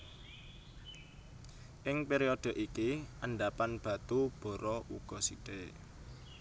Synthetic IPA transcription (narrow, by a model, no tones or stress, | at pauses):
ʔɪŋpeɾiod̪̥ə̤ʔikiʔəɳɖapanb̥a̤t̪ub̥ɔ̤ɾɔʔṵɡ̥ɔ̤siʈe